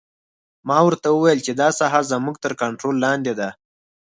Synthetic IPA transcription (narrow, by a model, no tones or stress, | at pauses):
mɑwəɾt̪awəwajəlt͡ʃed̪ɑsaɦazəmuɡ̚t̪əɾkaɳʈɾolːɑnd̪ed̪a